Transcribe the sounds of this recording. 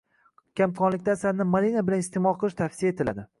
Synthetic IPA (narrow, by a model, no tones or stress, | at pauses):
kʲʰamkʰɒnlɪkʲt̪asaɾnɪmaɾinabɪlanɪst̪emɒlˠqʰɨlˠɪʃt̪ʰafsijaet̪ʰɪla̰d̪ɪ